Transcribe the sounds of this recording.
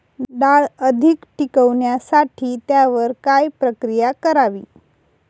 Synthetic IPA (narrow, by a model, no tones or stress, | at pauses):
ɖaɭəd̪ʱikʈikəʋɳjasaʈʰiːt̪jaʋəɾkajpɾəkɾijakəɾaʋḭː